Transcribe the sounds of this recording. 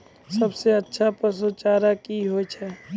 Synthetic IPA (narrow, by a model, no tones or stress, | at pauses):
sɐbseɐtːʃʰapəs̬ot͡ʃaːɾakiɦoːt͡ʃʰɛː